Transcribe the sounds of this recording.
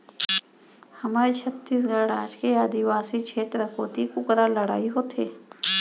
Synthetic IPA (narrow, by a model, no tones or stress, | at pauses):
hɐmaːɾet͡ʃʰɐt̪ːiːs̬ɡəɾɽaːd͡ʒkeaːd̪iʋaːsit͡ʃʰeːt̪ɾəkʰoːt̪ikʊkɾalɐɽa̰ːiɦoːt̪ʰeː